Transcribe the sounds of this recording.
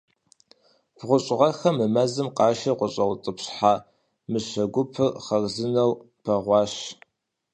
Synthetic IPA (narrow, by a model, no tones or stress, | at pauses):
b̥ʁʷʊɕʼɪʁɐxɐmɨmɐzɨmqɑːʃɐqʷʊɕʼɐwt͡sʼɨpɕħaː | mɨɕɐɡʷʊpʰɨχɐrzɨnɐw | pʰɐʁʷɑːɕ